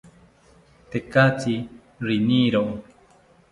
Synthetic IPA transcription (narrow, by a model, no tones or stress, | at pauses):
t̪ekat͡ʃi | ɾiniɾoʔ